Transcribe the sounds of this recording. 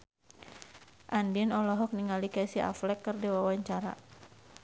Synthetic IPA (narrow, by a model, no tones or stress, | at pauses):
ʔandinɔlɔɦɔk̚niŋalikasiʔa̰flɛkːərdiwawaɲt͡ʃaɾa̰